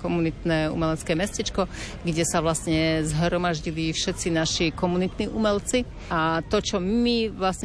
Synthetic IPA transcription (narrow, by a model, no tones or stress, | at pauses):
kɔmunit̪nɛːṵmɛlɛt͡skɛːmɛscɛt͡ʃkɔ | ɡɟɛsaʋlasɲɛzɦɾɔmaʒɟilifʃɛt̪t͡sinaʃikɔmunit̪niʔumɛlt͡si | at̪ɔt͡ʃɔmiʋlasɲ